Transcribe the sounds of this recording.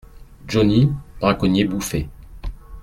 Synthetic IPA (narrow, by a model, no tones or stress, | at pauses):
ʒɔnib̥ʁakɔnjebufe